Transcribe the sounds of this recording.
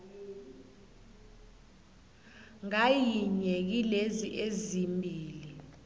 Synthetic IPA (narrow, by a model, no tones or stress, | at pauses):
ŋajiɲek̬ileziʔezimbʱiːli